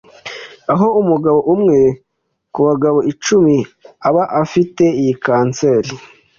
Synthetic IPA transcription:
aɦo̞umuɡaβo̞ʔumŋe̞ | kuβaɡaβo̞it͡ʃumiaβaʔafite̞ijikaːnt͡seːɾi

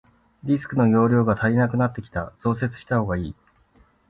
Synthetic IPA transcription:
ɾʲisɨ̥kɯ̟no̞jo̞ːɾʲo̞ːɡat̪ʰaɾʲinakɯ̟nat̪ːe̞kʲi̥t̪az̥o̞ːs̬e̞t͡sɨ̥ɕi̥t̪aho̞ːɡaiː

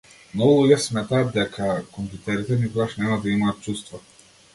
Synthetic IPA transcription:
mnɔɡulˠuɟʲɛsmɛt̪aːd̪̚d̪ɛkʰakɔmpʲjut̪ɛɾit̪ɛnikɔɡaʃnɛmad̪aimaːt̪̚t͡ʃust̪va

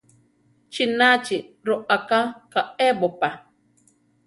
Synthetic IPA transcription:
t͡ʃinat͡ʃɪɾʊʔakakaɛbʊpa

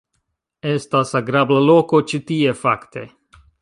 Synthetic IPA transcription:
est̪asaɡɾablalokot͡ʃit̪iefakt̪e

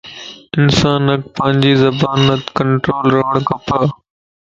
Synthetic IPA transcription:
ɪnsaːnək̚pɐ̃ɦɪ̃ɲd͡ʑiːzɐbaːnət̪kɐ̃ɳʈɾoːlɾɐɦəɽ̃kɐpə

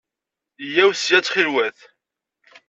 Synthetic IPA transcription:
jæwsjæt͡sːχilwæθ

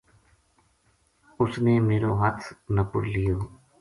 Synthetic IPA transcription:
ʊsneːmeːɾoːɦət̪ʰnəpʊ̰ɾlijoː

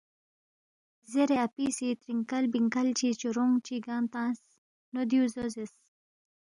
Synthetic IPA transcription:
zeɾeapisit̪ɾiŋkalbiŋkalt͡ɕit͡ɕuɾoŋɡt͡ɕiɡãːmt̪ãːs | nod̪juzozis

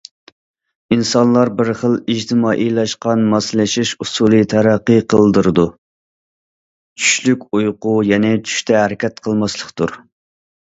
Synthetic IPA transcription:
insɑnlˠɑɾbɪɾχəlˠid͡ʒt̪ʰɨmɑːʔilˠɑʃqɑnmɑslɪʃiʃusulˠɨt̪ʰæɾæqːəqʰəlˠd̪ɨɾɨd̪u | t͡ʃʰy̥ʃlykʲujqʊjɛnɛt͡ʃʰy̥ʃt̪ɛɦɛɾɪkʲɛt̪qʰəlˠmɑslˠəqt̪uɾ

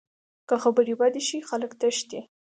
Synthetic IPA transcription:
kaxabəɾibad̪iʃixaləkt̪aʃt̪e

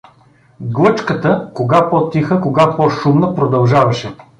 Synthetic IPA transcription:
ɡlˠɤt͡ʃkət̪əkoɡapɔt̪ixəkoɡapɔʃumnəpɾod̪ɐlˠʒavɐʃɛ

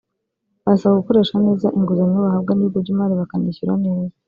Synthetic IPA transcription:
βasaβaɡukoɾe̞ʃane̞ːzaʔiŋɡuzaɲoβahabɡaniɡoɾɟimaɾiβakaniçiɾa̰neːza

